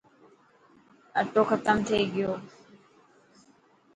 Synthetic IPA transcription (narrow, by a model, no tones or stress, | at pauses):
ɐʈːoːxət̪əmt̪ʰeːɡɪjoː